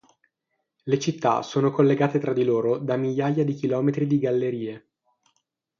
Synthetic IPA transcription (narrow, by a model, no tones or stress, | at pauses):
let͡ʃit̪ːa̰soːnokolːeɡaːt̪et̪ɾad̪ːiloːɾod̪amiʎːajad̪ik̟ilɔːmet̪ɾid̪iɡalːeɾiːe